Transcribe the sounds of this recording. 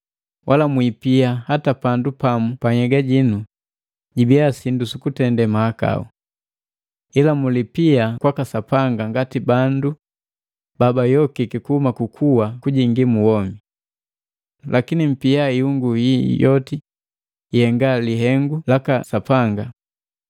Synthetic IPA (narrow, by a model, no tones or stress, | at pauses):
wʔalamwipiahatapandupamupaɲɛɡaɟinu | ɟibiasindusukutɛndɛmaaka̰u | ilamulipiakwakasapaŋɡaŋɡatibandu | babajɔkikikuhumakukʰuwakuɟiŋɡimuwɔmi | lʔakinim̩piaiuŋɡujijɔti | hɛŋɡaliɦɛŋɡulakasapaŋɡa